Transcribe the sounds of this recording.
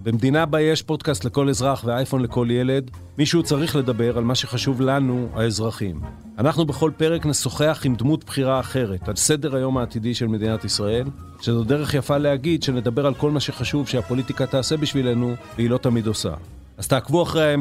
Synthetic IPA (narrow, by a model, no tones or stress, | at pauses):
bemd̪inabajeʃpo̞d̪kast̪le̞ko̞lezʁaχveajfo̞nle̞ko̞lje̞le̞d̪ | miʃut͡saʁiχle̞d̪abe̞ʁalmaʃe̞χaʃuvlanuae̞zʁaχim | anaχnube̞χo̞lpe̞ʁe̞kneso̞χeaχimd̪mut̪b̥χiʁaːχe̞ʁe̞t̪alse̞de̞ʁajo̞maːt̪idiʃe̞lme̞d̪inat̪isʁae̞l | ʃezod̪e̞ʁe̞χjafaleaɡidʃe̞ne̞d̪abe̞ʁalko̞lmaʃe̞χaʃuvʃeapo̞litikat̪aːsebiʃvile̞nuveilo̞t̪amidosa̰ | az̥t̪aːkvuaχʁejae